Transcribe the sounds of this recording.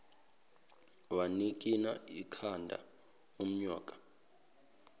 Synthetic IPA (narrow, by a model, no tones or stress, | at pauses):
wanikʼinaikʰandʱa̰ | um̩ɲɔːkʼḁ